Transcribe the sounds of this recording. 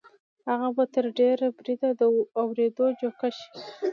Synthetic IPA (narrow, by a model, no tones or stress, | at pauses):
haɣabat̪əɾɖeɾabɾid̪ad̪əawɾed̪od͡ʒokaʃi̥